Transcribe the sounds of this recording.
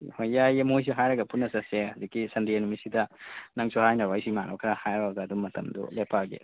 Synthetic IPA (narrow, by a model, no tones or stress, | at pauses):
hojjajemojs̬iɦajɾɐɡɐpunːɐsɐseɐdɐkːisɐndijenumisidɐnɐŋsoɦajnɐɾwajsimanʔɔ̰kʰɐɾɐhajɾɐɡɐːdumːɐtɐ̰mdṵlepaɡḛ